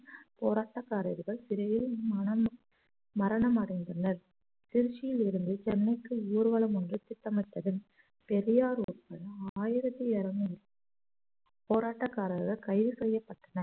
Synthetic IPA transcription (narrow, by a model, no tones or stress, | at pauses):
poːɾaːʈːɐkːaːɾɐɾɯɣɐɭsɪɾɐjɪlmɐɐm | mɐɾɐɳɐmɐɽɐnd̪ɐnɐɾ | t̪ɪɾɯt͡ʃːɪjɪlɪɾɯnd̪ɯt͡ʃɛnːɐɪkːɯuːɾʋɐɭɐmɔndrɯt̪ɪʈːɐmɐɪʈ̪ːɐðɯn | pɛɾɪjaːɾuːɾkɐɭaːjɪɾɐt̪ːɯɛɾɐm | poːɾaːʈːɐkːaːɾɐɾɣɐɭkɐɪʋɯsɛjːɐpːɐʈːɐnɐɾ